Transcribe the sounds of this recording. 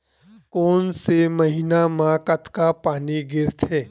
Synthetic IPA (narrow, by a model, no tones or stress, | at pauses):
koːnsemɐɦiːnamãkɐt̪ʰkapaːniɡɪɾt̪ʰeː